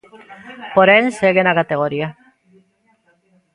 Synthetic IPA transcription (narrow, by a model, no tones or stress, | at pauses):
poɾenseɣenakat̪eɣoɾia